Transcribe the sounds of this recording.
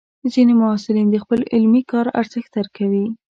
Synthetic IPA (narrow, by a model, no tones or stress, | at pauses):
d̪əzinemʊɑsɪlind̪əxpəlɪlmikɑɾa̰ɾzəxt̪aɾkawi